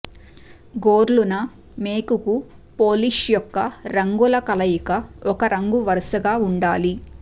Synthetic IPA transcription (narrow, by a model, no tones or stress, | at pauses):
ɡoːɾlunɐ | meːkuku | poːliʂjɔkːɐɾɐŋɡulɐkɐlɐjikɐɔkɐɾɐŋɡuʋɐɾɐsɐɡaːuɳɖaːli